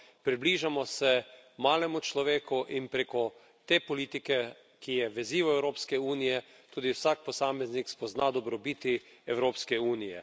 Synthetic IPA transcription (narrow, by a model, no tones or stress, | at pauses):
pɾibliʒamɔsɛmaːlɛmut͡ʃlɔʋeːkuʔinpɾeːkɔ | t̪eːpɔliːt̪ikɛ | kijɛʋɛziʋɔɛwɾoːpskɛuːnijɛ | t̪uːd̪iwsak̚pɔsaːmɛznikspɔznad̪ɔbɾɔbiːt̪iɛwɾoːpskɛuːnijɛ̰